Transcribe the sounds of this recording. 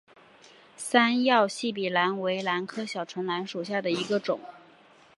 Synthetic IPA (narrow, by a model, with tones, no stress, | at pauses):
sa˥njɑ˥˧ʊɕi˥˩p̬i˨˩la˧˥nwe˧˥ɪla˧˥nkʰɤ˥ɕjɑ˨˩ʊʈ͡ʂʰwə˧˥nla˧˥nʂu˨˩ɕja˥˩d̪ə˩i˧˥ɡə˧ʈ͡ʂʊ̰˨˩˦ŋ